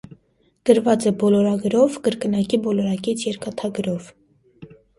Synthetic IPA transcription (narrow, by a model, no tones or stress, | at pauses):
kəɾvɑt͡səbɔlɔɾɑɡɾɔvkəɾkənɑkibɔlɔɾɑkɛt͡sʰjɛɾkɑt̪ʰɑɡɾɔv